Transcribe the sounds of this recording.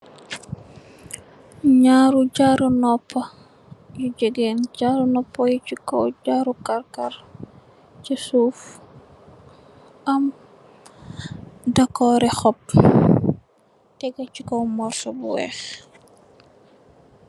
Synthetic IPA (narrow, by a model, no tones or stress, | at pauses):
ɲaːɾuɟaɾunɔpʰːɐ | juɟɛɡenɟaɾunɔpːɔjit͡ʃikɔɟaːɾukarkar | cisuːf | ʔɐm | dakɔːɾɛxɔp̚ | tɛɡɐt͡ʃikɔwmɔrtɔbṵwɛ̰ːx